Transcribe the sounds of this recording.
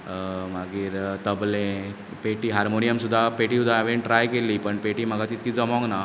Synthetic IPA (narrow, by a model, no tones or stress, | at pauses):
maɡiːɾt̪əblẽ | peʈiːɦaɾmonijəmsud̪ʱːapeʈisud̪ʱːaʋeɳʈɾajkeliːpəɳpeʈiːm̤əɡʱat̪it̪̚kiːd͡zəmɔ̃ŋɡna